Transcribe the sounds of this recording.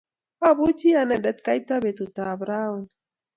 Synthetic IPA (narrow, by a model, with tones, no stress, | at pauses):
a˦bu˦t͡ʃi˦a˨na˨da˨t̪ka˦jt̪a˦be˨t̪u˨t̪a˨bɾa˦u˨n